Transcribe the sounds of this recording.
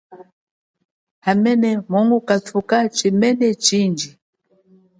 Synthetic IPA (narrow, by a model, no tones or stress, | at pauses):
hamɛnɛmɔŋɡukatʰukat͡ʃimɛnɛt͡ʃind͡ʒi